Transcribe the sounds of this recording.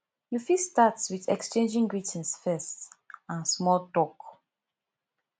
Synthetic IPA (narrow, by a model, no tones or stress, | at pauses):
jufistatswiðɛkst͡ʃẽnd͡ʒĩŋɡɹitʰĩnsfɛstãnsmɔltɔk